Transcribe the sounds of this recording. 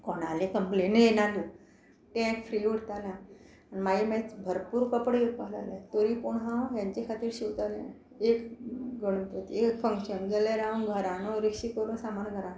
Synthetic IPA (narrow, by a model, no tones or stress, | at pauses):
kɔnalẽkəmplenenãlu | ʈɛ̃kfɾiːʋəɽt̪alãː | nimaɦimet͡sbʱəɾpuːɾkəpɽəjokaɦla̰lat̪oɾiːpoɳɦãjãɲt͡ɕekʰat̪iːɾɕiʋt̪alẽ | ekɡəɽ̃upət̪iekfə̃ŋkɕənɡeleɾawɡʱəɾanoɾikʂikəɾũsamanɡʱəɾan